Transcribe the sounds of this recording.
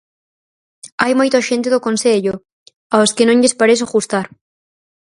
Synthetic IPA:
ajmojt̪aʃent̪ɪðʊkonseʎʊ | aoskɪnõŋʎespaɾes̬oɣust̪aɾ

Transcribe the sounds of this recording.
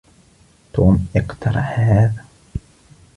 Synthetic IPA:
t̪uːmʔɪqt̪ɑɾˤɑ̰ħhaːðæ

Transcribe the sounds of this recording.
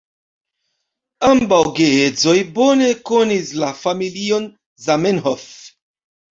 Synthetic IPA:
ambawɡeezo̞jbo̞ne̞konislafamilio̞n | zamenɦof

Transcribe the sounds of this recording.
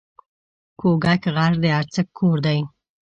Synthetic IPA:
kʰoɡakəɣaʐd̪əaɾt͡səkʰːoɾd̪aj

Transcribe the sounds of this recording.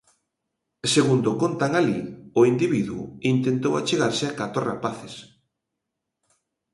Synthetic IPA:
seɣund̪okont̪aŋaliʊind̪iβiðuʊ̰int̪ent̪owat͡ʃeɣaɾsɪakat̪ɾorapaθes

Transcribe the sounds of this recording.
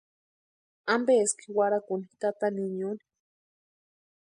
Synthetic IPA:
ambeːski̥waɾakunit̪at̪aniɲuni̥

